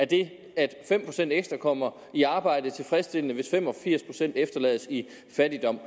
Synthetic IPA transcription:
æɐd̥e̝ | æd̥fem̰pʰʁo̝sen̰d̥eɡ̥sd̥ʁɐkʰɒ̽m̰ɐ | iɑ̈ːb̥ɑ̈ɪ̰d̥ət͡sʰe̝lfʁɛsd̥e̝lənəʋe̝sfem̰ɒ̽fiɐ̰spʰʁo̝̥sen̰d̥efd̥ɐlɛ̰ːðˠsi | fæd̥id̥ɒ̽m̰

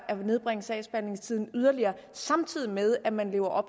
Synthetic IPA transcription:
ʔæɐne̝ð̞ˠb̥ʁeŋəsɛɪsb̥æne̝ŋst͡sʰið̞̰ˠn̩yð̞ˠɐliɐː | sɑ̈mt͡sʰið̞̰ˠimeð̞ˠæmænle̝ːʊɐʔɒ̽b̥

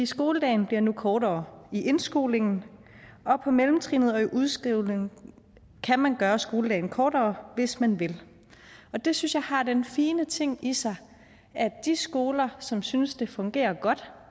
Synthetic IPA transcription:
isɡ̥o̝ːləd̥ɛ̰ɪnb̥liɐ̰nukʰɒːɾɒ̰ːiʔe̝nsɡ̥o̝̰ːle̝ŋn̩ | ɒ̽pʰɒ̽melm̩t͡sʰʁḭːnð̞̩ˠɒ̽iʔuð̞ˠsɡ̥ʁiʊ̰le̝ŋn̩ | kʰæmænɡ̥ɶːɐsɡ̥o̝ːləd̥ɛ̰ɪn̩kʰɒːd̥ɒːʋe̝smænʋe̝l | ɒ̽d̥e̝synsjɑ̈ɪhɑ̈d̥enfiːnət͡sʰe̝ŋ̰isɑ̈ɪ | æd̥isɡ̥o̝ːlɐsɒ̽msynsd̥e̝fɔ̽ŋɡ̥e̝̰ːɐɡ̥ɒ̽d̥

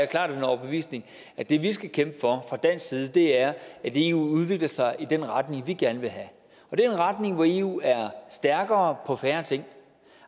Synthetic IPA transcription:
ækʰl̥ɑ̰̈ːdenɒʊb̥e̝ʋḭːsne̝ŋ | æ̥e̝ʋisɡ̥ækʰemb̥əfɒ̽fʁɑ̈d̥æn̰siːð̞̩ˠəd̥e̝æɐæd̥e̝ːṵːuð̞ˠʋe̝ɡ̥lɐsɑ̈ɪʔid̥enʁɑd̥ne̝ŋʋiɡ̥æɐnəʋe̝lɦæ | ɒ̽d̥e̝eenʁɑd̥ne̝ŋʋɒe̝̰ːṵːæɐsd̥æɐɡ̥ɐːpʰɒ̽fæːɐt͡sʰe̝ŋ̰

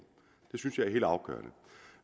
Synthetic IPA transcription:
d̥e̝synsjɑ̈ɪæɐɦe̝̰ːld̥ɑ̈ʊɡ̥œ̰ɐnə

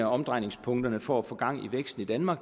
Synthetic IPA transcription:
æɒ̽md̥ʁɑ̈ɪ̰ne̝ŋspʰɔ̽ŋd̥ɐnəfɒ̰æfɔ̽ɡ̥ɑ̈ŋ̰iʋeɡ̥sd̥n̩id̥ænmɑ̈ːɡ̥

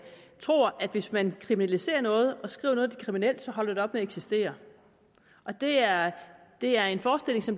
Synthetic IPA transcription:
t͡sʰʁo̝̰ːɐʔæd̥ʋe̝smænkʰʁiminælise̝̰ːɐnɔ̽ːð̞̩ˠʔɒ̽sɡ̥ʁḭːʊnɔ̽ːð̞̩ˠd̥i̥kʰʁiminel̰d̥sɒ̽ɦɒ̽l̰ɐd̥e̥d̥e̝ɒ̽b̥meæeɡ̥sisd̥e̝̰ːɐ | ʔɒ̽d̥e̝æɐd̥e̝æɐe̝nfɒːsd̥e̝l̰e̝ŋsɒ̽m

